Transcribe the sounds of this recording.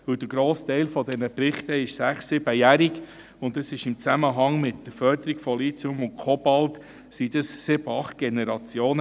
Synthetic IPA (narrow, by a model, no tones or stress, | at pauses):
ʋɵwd̥̪əɡ̥ɾoːst̪ɛɪlfɔd̪ɛnəpɾɪχt̪əɪʃsæχsːɪb̥əjæɾik | ʊndəsɪʃɪmt͡sæməɦɑŋmɪt̪ːəfœɾd̪əɾikfɔlit͡sʊmʊn̚kʰɔbɑlt̪ | sid̥̪əssɪb̥əɑχt̚ɡ̥enɛɾɑt͡sjoːnə